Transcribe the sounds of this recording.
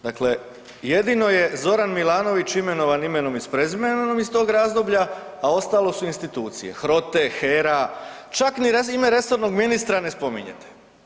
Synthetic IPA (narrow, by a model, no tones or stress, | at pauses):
d̪akle̞ | je̞d̪ino̞je̞zo̞ɾanmilˠaːno̞ʋit͡ɕime̞no̞ʋanime̞no̞mispɾezimennomist̪o̞ːɡɾaːzd̪o̞bʎaː | o̞st̪alˠo̞suinst̪it̪uːt̪sḭje̞̰xɾo̞t̪e̞xeɾa | t͡ʃakniɾeime̞ɾe̞so̞ɾno̞ɡminist̪ɾane̞spo̞mḭɲḛt̪ʰe̥